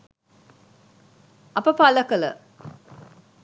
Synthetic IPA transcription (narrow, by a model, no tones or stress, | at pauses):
ɐpəpaləkələ̰